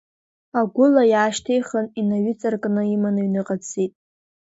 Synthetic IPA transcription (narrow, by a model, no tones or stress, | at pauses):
aɡʷʊlajaːʃtʰejχəninaɥit͡sʼarkʼnɨimanɨɥnɨqʼat͡sʰitʼ